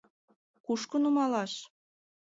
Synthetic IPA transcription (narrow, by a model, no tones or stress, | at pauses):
kuʃkɤ̆numɑlɑʃ